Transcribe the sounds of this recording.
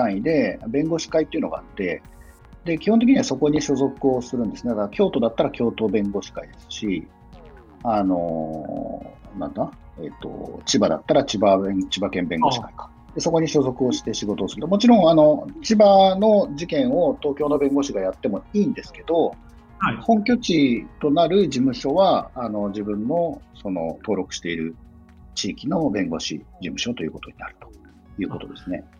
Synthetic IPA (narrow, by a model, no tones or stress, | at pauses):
t̪ãɰ̃id̪e̞bẽ̞ŋɡo̞ɕi̥kait̪ːeiɯ̟no̞ɡa̰at̪ːe̞̰ | d̪e̞kʲihõnt̪ekiɲiβaso̞ko̞ɲ̟iɕo̞zo̞kɯ̟o̞sɨɾɯ̟̃nd̪ɨnet̪ad̪akʲʰo̞ːt̪o̞d̪at̪ːaɾakʲo̞ːt̪o̞ːbẽ̞ŋɡo̞ːɕi̥kaid̪e̞sɨ̥ɕi | ano̞ | nã̰nd̪a | ḛt̪ːo̞̰t͡ɕibad̪a̰t̪ːaɾat͡ɕibaet͡ɕibakẽ̞mbẽ̞ŋɡo̞ɕi̥kai̥kḁ | d̪e̞so̞ko̞ɲ̟iɕo̞zo̞kɯ̟o̞ɕi̥t̪e̞ɕiɡo̞t̪o̞ːsɨɾɯ̟t̪o̞mo̞t͡ɕiɾõ̞ɰ̃ano̞t͡ɕibano̞d͡ʑikẽ̞ɰ̃o̞t̪o̞ːkʲoːno̞bẽ̞ŋɡo̞ɕiɡajat̪ːe̞mo̞iːnd̪e̞sɨ̥ke̞d̪o̞ | hõ̞ŋkʲo̞t͡ɕit̪o̞naɾɯ̟d͡ʑimɯ̟ɕo̞βaːno̞d͡ʑibɯ̟̃nːo̞so̞no̞̰t̪o̞ːɾo̞kɯ̟̥ɕi̥t̪e̞iɾɯ̟ | t͡ɕiːkʲino̞bẽ̞ŋɡo̞ɕḭd͡ʑimɯ̟ɕo̞t̪o̞jɯ̟ːko̞t̪o̞ɲina̰ɾɯ̟̥t̪o̥ | jɯ̟ːko̞t̪o̞d̪e̞sɨne̞̰